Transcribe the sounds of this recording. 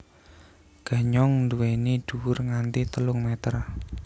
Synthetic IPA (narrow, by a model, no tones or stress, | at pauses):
ɡ̥a̤ɲɔŋnd̪uweniɖ̥uwʊrŋant̪it̪əlʊŋmɛt̪ər